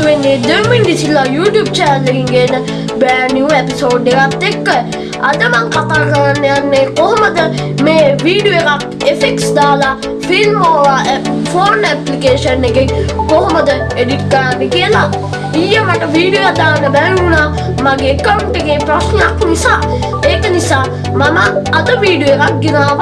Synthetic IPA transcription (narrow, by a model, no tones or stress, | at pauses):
uʋenːed̪emind̪isilːajuːʈjuːb̚t͡ʃɛnəlːeɡiŋɡeːnːə | bɛːnjiuːepisoːɖekat̪ːekː | ad̪əmaŋkat̪aːkəɾanːeanːekoɦoməd̪əmeːʋiːɖijoekak | efeksd̪aːla | filmoɾafoːnɛplikeːʃɐnːeɡekoɦoməd̪ə | eɖiʈkəɾanːekijɐla | iːɐmɐʈəʋiːɖijojad̪aːnːɐbɛnuːna | maɡeːkɐwɳʈeɡepɾasnejakʋunisaː | eːkənisaː | mamɐːd̪əʋiːɖijoekak̚ɡinaː